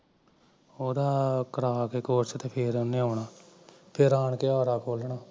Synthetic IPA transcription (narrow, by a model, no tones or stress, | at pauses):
oːd̪aːkəɾaːkeːkoːɾt͡ʃt̪eːpʰeɾəneːoːɳaːpʰɪɾaːɳkeːɔːɾaːkʰoːlɳaː